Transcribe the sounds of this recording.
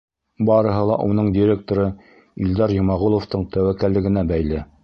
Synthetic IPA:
bɑɾɤ̆ɦɤ̆lˠɑʔunɤɴd̪ʲɪɾʲek̚t̪oɾɤ | ild̪ɑɾjŏmɑʁulˠŏft̪ɤɴt̪æwækælːɘ̆ɡɘ̆næbæjlɘ

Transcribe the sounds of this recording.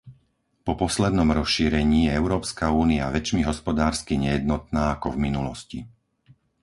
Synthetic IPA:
pɔpɔslɛd̪nɔmɾɔsʃiːɾɛɲiːjɛɛʊɾɔːpskauːniaʋɛt͡ʃmiɦɔspɔd̪aːɾskiɲɛjɛd̪̚nɔt̪̚naːakɔvminulɔscḭ

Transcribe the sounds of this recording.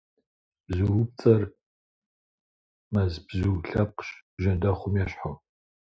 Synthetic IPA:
bzuwp̚t͡sʼɐr | mɐzbzuwɬɐp̚qɕ | ʒɐdɐχʷʊmjɛɕħa

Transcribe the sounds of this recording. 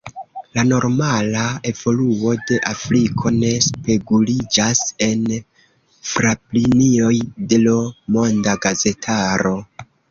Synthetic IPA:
lano̞ɾmalae̞v̥o̞luo̞de̞ʔafɾikʰo̞ne̞spe̞ɡulid͡ʒase̞n | fɾaplinio̞jde̞lomo̞ndaɡaze̞tʰaɾo̞

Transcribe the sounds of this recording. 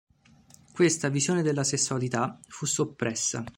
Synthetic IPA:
kwest̪avizjoːned̪elːasesːualit̪afusːopːɾɛsːa̰

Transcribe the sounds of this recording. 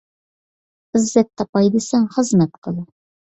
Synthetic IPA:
ɪzːɛt̪ʰːɑpɑjd̪ɨsɛŋχəzmɛt̪qʰəlˠɨ

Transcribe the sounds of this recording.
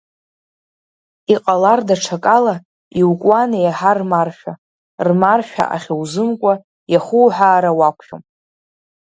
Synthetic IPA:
iqʼalardaʈ͡ʂʰakʼala | iwkʷʼwanajaħarmarʃᶣa | rmarʃᶣa̰ʔa̰χʲewzɨmkʷʼa | jaχuːħʷᶣaːɾawakʷʰʃo̰m

